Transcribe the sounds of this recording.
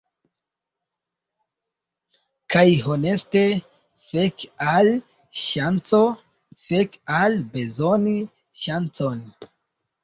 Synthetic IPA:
kajɦo̞ne̞ste | fe̞kal | ʃant͡so̞ | fe̞kalbe̞zo̞ni | ʃant͡so̞n

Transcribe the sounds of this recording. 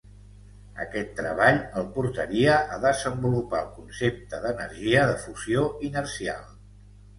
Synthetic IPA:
ə̰kɛt̪ːɾə̰β̞aʎəlˠpuɾt̪əɾiəʔəðəzəmbulupaəlˠkunsep̚t̪əðənəɾʒiəðəfuzioinərsia̰lˠ

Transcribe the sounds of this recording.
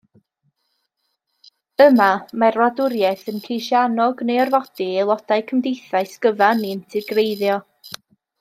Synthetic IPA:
əmamarwadʊɾjɛθənkʰejʃjanɔɡnejɔrvɔd̥ielˠɔd̥ajkʰəmdejθajskəvaniəntʰɪɡrejðjɔ

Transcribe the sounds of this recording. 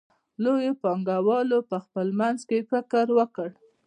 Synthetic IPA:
lojopɑŋɡawɑlopəxpəlmanzkefɪkəɾwəkəɽ

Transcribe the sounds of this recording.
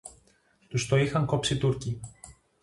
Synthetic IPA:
t̪ust̪oixɐŋko̞psit̪uɾci

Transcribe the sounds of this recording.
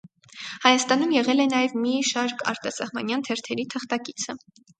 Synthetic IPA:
hɑjɑst̪ɑnumjɛʁɛlɛnɑjɛvmiʃɑɾkʰɑ̰ɾt̪ɑsɑhmɑ̰njɑnt̪ʰɛɾt̪ʰɛɾit̪ʰəχt̪ɑkit͡sʰə

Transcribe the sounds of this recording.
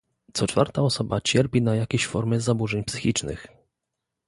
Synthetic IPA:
t̪sɔt͡ʂfa̰ɾt̪aɔsɔbat͡ɕɛɾpʲinajakʲeɕfɔɾmɘzabuʐɛɲpsɘ̥xʲit͡ʂnɘ̰x

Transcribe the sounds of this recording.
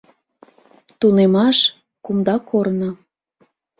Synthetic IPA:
t̪unemɑʃ | kumd̪ɑkʰornə̆

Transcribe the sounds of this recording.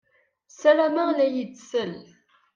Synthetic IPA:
sælæmælæjət͡sːsəl

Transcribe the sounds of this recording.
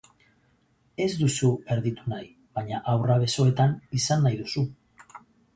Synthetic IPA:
e̞zd̪usue̞ɾðit̪unaj | βaɲaʔawraβ̞e̞so̞e̞t̪anisanːajðusu

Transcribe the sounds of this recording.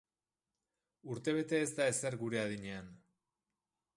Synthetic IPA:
uɾt̪e̞β̞e̞t̪e̞ːzt̪ae̞se̞ɾɣuɾe̞aðiɲe̞an

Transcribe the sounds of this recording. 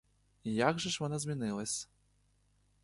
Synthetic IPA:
ijaɡʐɐʂvɔnazʲmʲinɪlˠɐsʲ

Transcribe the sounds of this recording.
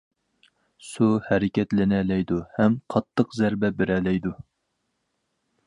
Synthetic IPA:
suhɛɾɪkʲɛt̪lɪnɛlɛjd̪uhɛmqʰɑt̪ʰːəqzæɾbɛbɪɾɛlɛjd̪u

